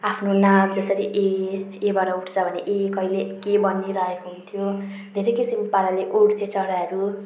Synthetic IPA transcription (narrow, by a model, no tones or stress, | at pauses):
apʰnonamd͡zʌsʌɾiʔeːbʌɾauʈʰt͡sʰʌbʱʌneʔekʌilekebʌnːiɾʌekoɦunt̪ʰijo | d̪ʱeɾʌjkisimpaɾaleʔuʈʰt̪ʰet͡sʌɾaʌɾu